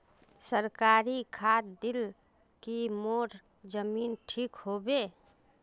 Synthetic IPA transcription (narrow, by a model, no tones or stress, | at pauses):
səɾkaːɾikʰaːt̪d̪ɪl | kimoːɾ | d͡ʒəmiːnʈʰiːkhoːbeː